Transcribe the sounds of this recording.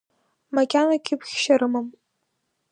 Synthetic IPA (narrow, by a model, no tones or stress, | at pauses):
makʲʼanakʲɪpʰχʲʃaɾɨmam